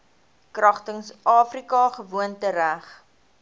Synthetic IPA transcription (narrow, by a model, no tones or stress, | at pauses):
krɐχtəŋsʔɑːfrikɑχəvuəntəɾæχ